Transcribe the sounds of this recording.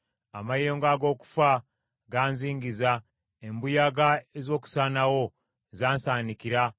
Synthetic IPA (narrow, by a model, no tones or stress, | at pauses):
a̰majeːŋɡaɡo̞ːku̥fa | ɡaːnziːŋɡiza | embujaɡaezo̞ːku̥sanawo̞ | zaːnsaːnikiɾa